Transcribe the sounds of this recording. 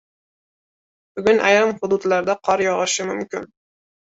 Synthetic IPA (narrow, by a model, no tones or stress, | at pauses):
b̥ʊɡʲʊnʔa̰jɾɪmχʊd̪ʊt̪laɾd̪aqʰɒɾjɒʁɨʃɪmʊmkʲɪn